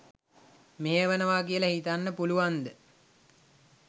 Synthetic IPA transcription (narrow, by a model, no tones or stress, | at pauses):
meɦeʋənəʋaːkijələhit̪anːəpuluʋand̪ə